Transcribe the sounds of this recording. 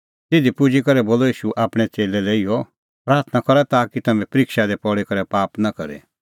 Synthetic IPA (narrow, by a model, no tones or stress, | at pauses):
t̪ɪd̪ipʊd͡ʒikɐɾɛboːlɔiːʃuʔaːpɽ̃ɛt͡seːlɛlɛiːjɔ | pɾaːɾt̪ʰnakɔɾat̪aːkit̪ɐmɛ̃pɐɾikʃad̪ɛpɔɽikɐɾɛpaːpnakɐ̰ɾḛ